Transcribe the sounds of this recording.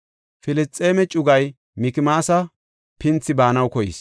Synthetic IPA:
fɪlɪstʼːeːmɛt͡ʃʼʊɡɐj | mɪkɪmaːsɐ | pɪnt͡sːɪbaːnɐwkɔjɪ̰s

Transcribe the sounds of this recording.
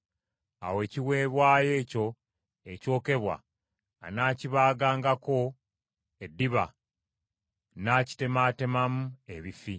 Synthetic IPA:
a̰we̞ːciwe̞ːβwaːje̞ːco̞ | eco̞ːke̞βwa̰ː | naːciβaːɡaːŋɡako̞ | edːiβa̰ | naːci̥te̞mate̞mamue̞βifi

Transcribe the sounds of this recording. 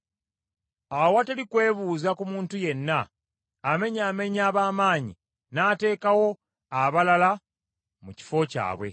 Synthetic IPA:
awateɾikwe̞ːβuːzakumuːntuje̞nːaː | me̞ɲaːme̞ɲaːβaːmaːɲḭ | naːte̞ːkawo̞ | aβalala | muci̥fo̞ca̰ːβwe̞̰

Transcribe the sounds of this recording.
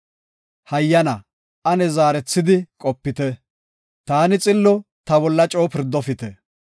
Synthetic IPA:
hɐjːɐnɐ | ɐnɛzaːɾɛt͡sːɪd̪ɪkʼɔpːɪt̪ɛ | t̪aːnɪt͡sʼɪlːɔ | t̪ɐbɔlːɐt͡ʃʼoːpɪɾd̪ːɔfɪt̪ɛ

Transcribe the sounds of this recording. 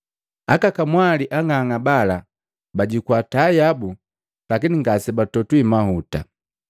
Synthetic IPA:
akakamwaliʔaŋaŋabala | baɟikwatajabu | lakiniŋɡasɛbatɔtwimahuta

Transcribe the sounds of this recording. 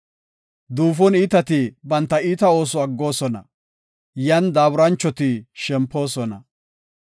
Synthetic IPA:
d̪uːfɔniːt̪ɐt̪ɪbɐnt̪ːɐiːt̪ɐo̞ːs̬ɔɐɡːo̞ːsɔnɐ̰ | jɐnd̪aːbʊɾɐnt͡ʃːɔt̪ɪʃɛmpːo̞ːsɔnɐ̰

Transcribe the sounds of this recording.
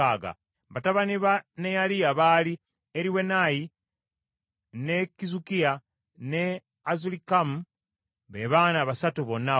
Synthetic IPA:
aɡa̰ | βataβaniβanejalijaβali | eɾiwe̞naji | nekizukija | ne | azulikamu | βeβaːnaβasatuβo̞nːa

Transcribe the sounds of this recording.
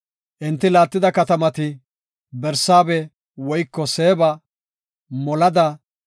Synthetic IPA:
ʔɪnt̪ːɪlaːt̪ːɪd̪ɐkɐt̪ɐmɐt̪ɪ | bɛɾsaːbɛ | wɔjkːɔse̞ːbɐ | mɔlɐd̪ɐ

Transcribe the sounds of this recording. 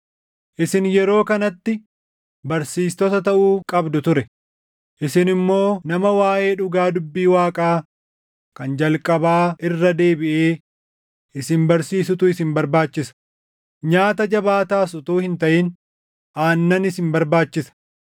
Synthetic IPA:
ʔɪsɪnjɛɾo̞ːkɐnɐt̪ːɪ | bɐɾsiːst̪ɔt̪ɐt̪ɐʔuːkʼɐbd̪ʊt̪ʊɾɛ | ʔɪsɪnɪmːo̞ːnɐmɐwaːʔe̞ːᶑʊɡaːd̪ʊbːiːwaːkʼaː | kɐnd͡ʒɐlkʼɐbaːʔɪrːɐd̪e̞ːbɪʔeː | ʔɪsɪnbɐɾsiːsʊt̪ʊɪsɪmbɐɾbaːt͡ʃːɪsɐ̥ | ɲaːt̪ɐd͡ʒɐbaːt̪aːsʊt̪uːhɪnt̪ɐʔɪn | ʔaːnːɐnɪsɪmbɐɾbaːt͡ʃːɪsɐ̥

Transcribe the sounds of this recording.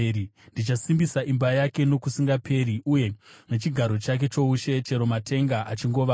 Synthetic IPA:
ndit͡ʃasimbisaʔimbajake̞no̞kusiŋɡapʰe̞ɾiuje̞net͡ʃiɡʱaɾo̞t͡ʃak̬e̞t͡ʃo̞uʃe̞t͡ʃe̞ɾo̞matʰe̞ŋɡaʔat͡ʃiŋɡo̞ʋa

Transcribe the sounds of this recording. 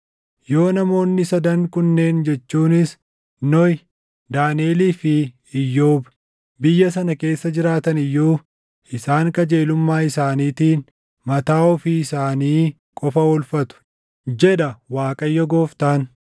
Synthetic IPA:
jo̞ːnɐmo̞ːnːɪsɐd̪ɐŋkʊnːe̞ːnd͡ʒɛt͡ʃːuːnɪs | nɔj | d̪aːneːliːfɪ | ɪjːoːb | bɪjːɐs̬ɐnɐke̞ːsːɐd͡ʒɪɾaːt̪ɐnɪjːuː | ɪsaːŋkɐd͡ʒe̞ːlʊmːaːɪsaːniːt̪iːn | mɐt̪aːɔfiɪsaːniː | kʼɔfɐɔlfɐt̪ʊ̥ | d͡ʒɛd̪ɐwaːkʼɐjːɔɡoːft̪aːn

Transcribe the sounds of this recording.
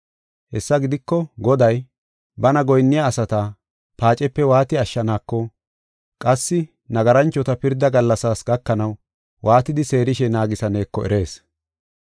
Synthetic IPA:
hɛsːɐɡɪd̪ɪkːɔɡɔd̪ɐj | bɐnɐɡɔjnːɪjaːsɐt̪ɐ | paːt͡ʃʼɛpːɛwaːt̪ɪɐʃːɐnaːkːɔ | kʼɐsːɪ | nɐɡɐɾɐnt͡ʃːɔt̪ɐpɪɾd̪ɐɡɐlːɐsaːsɡɐkːɐnɐw | waːt̪ɪd̪ɪse̞ːɾɪʃɛnaːɡɪsɐne̞ːkːɔʔɛ̰ɾe̞ːs

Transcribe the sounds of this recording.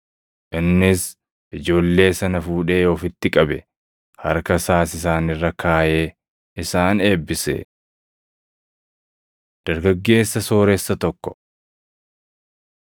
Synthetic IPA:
ʔɪnːɪs | ʔɪd͡ʒo̞ːlːe̞ːsɐnɐfuːᶑe̞ːɔfɪt̪ːɪkʼɐbɛ̰ | hɐɾkɐsaːsɪs̬aːnɪrːɐkʰaːʔe̞ː | ɪsaːne̞ːbːɪsḛː | d̪̥ɐɾɡɐɡːe̞ːsːɐso̞ːɾɛsːɐt̪ɔkːɔ̥

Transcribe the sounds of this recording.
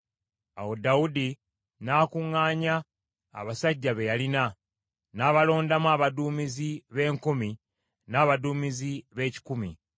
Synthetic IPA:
a̰wo̞daudi | naːkuŋːaːɲa̰ː | βasaɟːaβe̞jalina | naːβalo̞ːndamaːβaduːmiziβe̞ːŋkumi | naːβaduːmiziβe̞ːci̥kumi

